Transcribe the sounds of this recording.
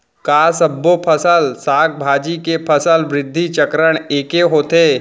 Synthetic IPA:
kaːsəbːopʰəsəlsaːk̚bʱaːd͡ʒikepʰəsəlʋɾɪd̪ʱːit͡ʃəkɾəɽ̃eːkeɦoːt̪eː

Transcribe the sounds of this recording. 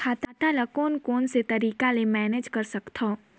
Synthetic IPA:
kʰaːt̪aːt̪alɐkoːnkoːnset̪ɐɾiːkalemɛːneːd͡ʒkɐɾsɐkt̪ʰo

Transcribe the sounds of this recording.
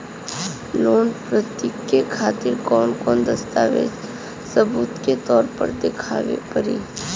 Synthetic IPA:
loːnpɾət̪jɪkːekʰaːt̪ɪɾkɔːnkɔːnd̪əst̪aːʋḛd͡ʒ | səbuːt̪ket̪ɔːɾpə̰ɾd̪ekʰa̰ːʋḛpəɾḭː

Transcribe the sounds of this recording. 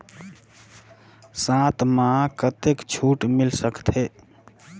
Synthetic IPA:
sãt̪mãkət̪ekt͡ʃʰuʈmilsəkt̪ʰe

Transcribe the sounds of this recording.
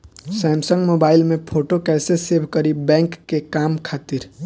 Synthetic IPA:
sɛmsəŋɡmobaɪlmepʰoʈokɛsesebʱkəɾibɛ̃ŋkːekamkʰat̪iɾ

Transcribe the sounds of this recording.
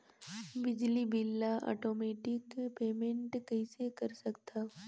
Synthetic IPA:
bɪd͡ʒlibɪlːaʔɔ̰ːʈoːmeːʈɪkpeːmẽɳʈkɛɪsekɐɾsɐkt̪aː

